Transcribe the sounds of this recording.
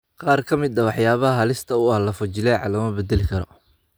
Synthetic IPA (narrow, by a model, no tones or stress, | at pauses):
qɑːrkʰɐmɪd̪ɐwɑħjaːβɐɦɐɦɐlɪst̪ʰɐʊɐhlɐfʊt͡ʃɪlɛʕɑ̰lɐmɐbɛd̪ɛlɪkʰɐɾɔ̰